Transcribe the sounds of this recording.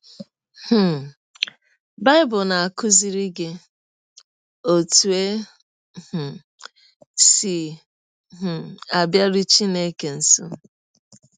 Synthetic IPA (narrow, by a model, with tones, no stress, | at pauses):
h̩˦˨ | ba˦ɪ˦bʊ˨na˨a˨kʊ˦zi˦ɾi˦ɡe˦ | o˨tu˨e˦ | h̩˨ | si˨ | ɦ̩˨a˨bja˦ɾi˦t͡ʃi˦ne˦ke˨n̩˨so˦